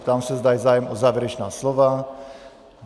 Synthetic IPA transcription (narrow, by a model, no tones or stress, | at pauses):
t̪amsɛzd̪ajzaːjɛmʔɔzaːvjɛɾɛt͡ʃnaːslɔva